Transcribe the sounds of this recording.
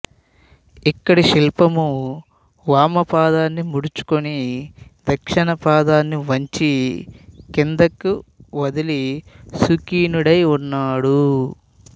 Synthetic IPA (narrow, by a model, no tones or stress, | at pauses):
ikːɐɽiʃilpɐmu | ʋaːmɐpaːd̪aːnːimuɽut͡ʃu̥konid̪ɐkʂɐɳɐpaːd̪aːnːiʋɐɲt͡ʃi | kind̪ɐkːuʋɐd̪ilisukiːnuɽɐjunːaːɽu